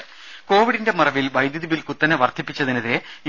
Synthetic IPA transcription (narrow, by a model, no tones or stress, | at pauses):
ko̞ːʋiɽinde̞mɐrɐʋilbɐjd̪jiðibilkut̪ːɐneʋɐrt̪ʰipːit͡ɕːɐðinɐðiɾe